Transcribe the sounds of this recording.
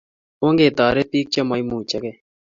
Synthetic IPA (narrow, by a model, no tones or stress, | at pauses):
õːŋɡeːt̪aːɾeːp̪iːk̚t͡ʃɐmaːimũːt͡ʃɐkeː